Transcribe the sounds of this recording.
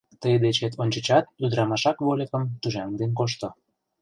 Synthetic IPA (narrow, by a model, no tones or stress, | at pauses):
t̪əjd̪et͡ɕet̪ʰonʲt͡ɕət͡ɕɑt̪̚ːud̪ɾɑmɑʃɑkβolʲekə̆mt̪uʒɑŋd̪enkoʃt̪o